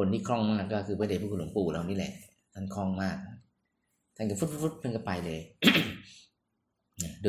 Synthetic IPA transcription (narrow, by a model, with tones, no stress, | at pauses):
o˧nt̪ʰiː˥˩kʰɾɔ˥˩ŋmaː˥˩kːlɔː˥˩kʰɯː˧ma˧˩˨a˧˩pʰuː˥˩kʰːlo̰˩˦puː˨˩ɾa˧wniː˦˥lɛ̰˨˩ʔ | t̪ʰa˥˩nkʰɾɔ˥˩ŋmaː˥˩k̚ | t̪ʰa˥˩nka˧˥˩fu˦˥t̚fu˦˥t̚fu˦˥t̪̚tʰa˥˩nka˧˩pa˧jlɤː˧j | na˧˩do˧